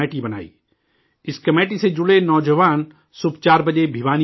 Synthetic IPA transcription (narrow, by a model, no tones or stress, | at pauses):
eːʈibɐna̰ːḭː | ɪskɐmeːʈised͡ʒʊɽenɔːd͡ʒəʋaːn | sʊbt͡ʃaːɾbɐd͡ʒebʱiʋaːni